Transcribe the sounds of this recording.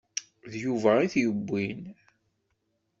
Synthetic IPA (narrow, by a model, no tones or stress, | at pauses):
ðjuvæiθjəbʷːin